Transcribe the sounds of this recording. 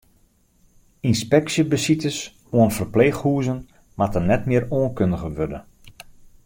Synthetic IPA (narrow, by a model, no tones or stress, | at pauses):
inspɛksjəbəsitəs | oənfərpleːxhuəzən | matənɛtmɪəɾoənkøndəɣəʋødə